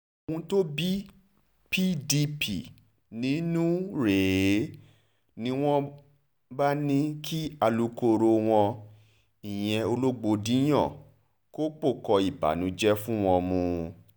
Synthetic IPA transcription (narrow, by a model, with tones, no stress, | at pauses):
o˨wũ˧to˦bi˦ | pi˦di˧pʰi˨ | nĩ˨˦nũ˦ɾe˨˦ | nĩ˦w̃ɔ̃˦ | ba˦nĩ˦kʰi˦a˧lu˧ko˧ɾo˧w̃ɔ̃˧ | i˨j̃ɛ̃˧o˧lo˦ɡ͡bo˧dĩ˨˦j̃ɔ̰̃˦˨ | ko˦k͡po˦˨kɔ˧i˨ba̰˨˦nũ˨˦d͡ʒɛ˦fũ˦w̃ɔ̃˧mũ˧